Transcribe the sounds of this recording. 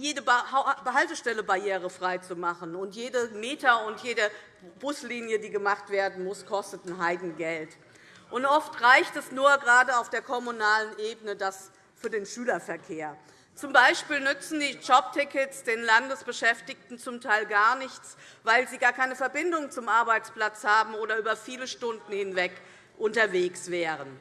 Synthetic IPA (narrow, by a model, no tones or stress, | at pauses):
jeːdəbbəɦaltəʃtɛləbajeːʁ̞əfʁ̥aɪt͡sumaχənʊntjeːdəmeːtɐʊntjeːdə | b̥ʊsliːnjədiːɡəmaχtv̥eːɐdn̩mʊskʰɔstətn̩ɦaɪdn̩ɡɛlt | ʔʊntʔɔftʁaɪçtɛsnuːɐɡəʁaːdəaʊfd̥eːɐkʰɔmunaːlənʔeːbənədas | fyːɐdeːnʃyːlɐfɛɐkʰeːɐ | t͡sʊmbaɪʃpiːlnʏt͡sn̩diːd͡ʒɔp̚tʰɪkətsd̥eːnlandəsb̥əʃɛftɪçtn̩t͡sʊmtʰaɪlɡaːɐnɪçt͡svaɪlziːɡaːɐkʰaɪnəfɛɐbɪndʊŋt͡sʊmʔaɐbaɪt͡spl̥at͡shaːbm̩oːɾɐyːbɐfiːləʃtʊndn̩hɪnvɛk | ʔʊntɐveːksv̥ɛːʁən